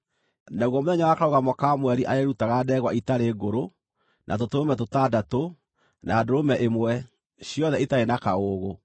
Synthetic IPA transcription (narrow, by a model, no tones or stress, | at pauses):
naɣɔmoðɛɲawakaɾoɣamɔkamwɛɾiʔaeɾutaɣadɛɣwaitaɾeːɡoɾo | nʔa̰t̬otoɾomɛtotaːdato | nʔaːdoɾomɛʔemwɛ | ɕjɔðɛitaenakaoːɣo